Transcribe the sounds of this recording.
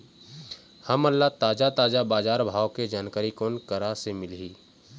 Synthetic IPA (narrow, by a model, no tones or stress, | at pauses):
həməlːat̪aːd͡ʒat̪aːd͡ʒabaːd͡ʒaːɾbʱaːʋoked͡ʒaːnkəɾikoːnkəɾasemɪlɦiː